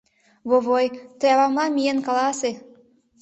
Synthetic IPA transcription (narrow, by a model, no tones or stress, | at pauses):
βoβojt̪əjɑβɑmlɑmienkɑlˠɑse